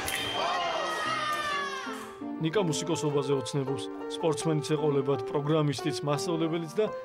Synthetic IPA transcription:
nikʼamusikʼɔsɔbazɛɔt̪sʰnɛbɔps | spʼɔɾt̪sʰmɛnit̪sʰɛqʼɔvlɛbad̪̚pʼɾɔɡɾamist̪ʼit̪sʰmast̪sʼavlɛbɛlit̪ʰd̪a

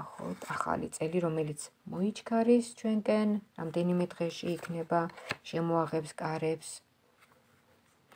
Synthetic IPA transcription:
χɔ̰t̪ʰaχa̰lḭt̪sʼɛliɾɔmɛlit̪sʰmɔit͡ʃʰkʰaɾist͡ʃʰwɛŋkʼɛnɾa̰md̪ɛnimɛd̪ʁɛʃiːkʰnɛbaʃɛmɔaʁɛpskʼaɾɛps

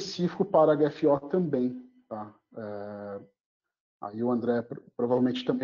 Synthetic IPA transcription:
esifi̥kʊpaɾɐaɡɛfiɔt̪ɐ̃mbẽj̃t̪a | ɛ | a̰iʊɐ̃nd̪ɾɛpɾpɾovavelwmẽt͡ʃɪ̥t̪ɐ̃mbẽ

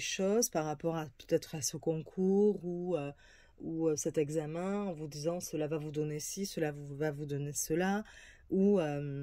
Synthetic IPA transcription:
eʃɔzpaʁapɔʁapø̥t̪ɛt̪χasəkɔ̃kʰuʁuø | uøsɛt̪ɛɡzamɛ̃ɑ̃vud̪izɑ̃səlavavud̪ɔnesisəlavuvavud̪ɔnesəla | uøm

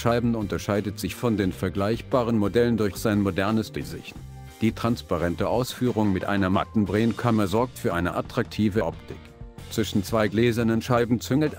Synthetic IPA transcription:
ʃaɪbm̩ʊntɐʃaɪdətz̥ɪçfɔndeːnfɛɐɡlaɪçb̥aːʁənmodɛləndʊɐxz̥aɪnmodɛɐnəsd̥ɪzɪ̰çt | d̥iːtʁ̥anspaʁɛntəʔaʊsfyːʁʊŋmɪtʔa̰ɪnɐma̰tn̩bʁɛːnkʰaməzɔɐk̚tfyːɐʔaɪnəʔatʁ̥ak̚tʰiːvəʔɔptɪk | t͡sv̥ɪʃn̩t͡sv̥aɪɡleːzɐnənʃaɪbm̩t͡sʏŋl̩t

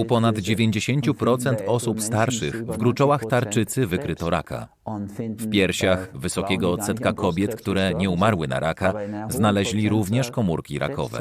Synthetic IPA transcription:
upɔnad̪d͡ʑevʲjeɲd͡ʑeɕeɲt͡ɕupɾɔt̪sɛnt̪ɔsupst̪aɾʂɘxvɡɾut͡ʂɔwaxt̪aɾt͡ʂɘt̪sɘvɘkɾɘt̪ɔɾa̰kʰa̰ | fpʲjɛɾɕaxvɘsɔkʲɛɡɔːt̪sɛt̪kakʰɔbʲjɛt̪kt̪uɾɛɲɛumaɾwɘna̰ɾʔakaznalɛʑlʲiɾuvɲɛʂkɔmuɾkʲiɾʔa̰kɔ̰vɛ̰

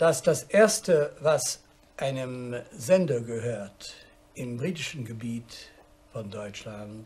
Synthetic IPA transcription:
d̥asd̥asʔeːɐstəvas | ʔaɪnəmzɛndɐɡəhøːɐt | ʔɪmbʁiːtɪʃn̩ɡəbiːt | fɔndɔʏt͡ʃlan

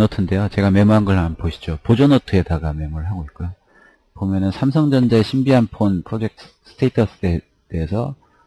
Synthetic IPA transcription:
nʌtʰɯnde̞jot͡ɕe̞ɡame̞muɦanɡʌɭmanpoɕʰi̥d͡ʑopod͡ʑonʌtʰɯe̞daɡame̞muɾɯɭɦaɡoik̚k͈ojo | pomjʌnɯnsʰamsʰʌŋd͡ʑʌnd͡ʑaeɕʰimbiɦanpʰonpʰɾod͡ʑe̞k̚t | s͈ʰɯ̥tʰeitʰʌs͈ʰe | d̥eːsʰʌ

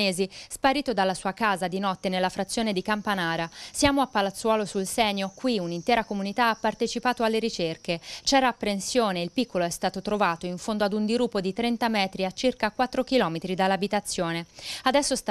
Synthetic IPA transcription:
eːzispaɾiːt̪od̪alːasuːakaːzad̪inɔt̪ːenelːafɾat̪sjoːned̪ikampanaːɾasjaːmoapːalat̪sːwɔːlosulsɛɲːokwiunint̪ɛːɾakomunit̪aapːart̪et͡ʃipaːt̪oalːeɾit͡ʃerket͡ʃɛːɾaːpːɾensjoːneilpikːoloɛst̪aːt̪ot̪ɾovaːt̪oiɱfond̪oad̪und̪iɾupːod̪it̪ɾɛnt̪amɛːt̪ɾiat͡ʃːirkakwat̪ːɾok̟ilɔːmet̪ɾid̪alːabit̪at̪sːjoːnead̪ɛsːost̪

